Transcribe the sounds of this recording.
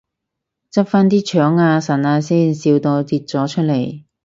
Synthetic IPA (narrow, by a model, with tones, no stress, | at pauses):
t͡sɐ˥p̚faː˥nt̪iː˥t͡ʃʰœː˨˥ŋaː˧sɐ˨˩naː˧siː˥nsiː˧wt̪o˧wt̪iː˧t̚t͡sɔː˨˥t͡ʃʰɵ˥t̚le˨˩j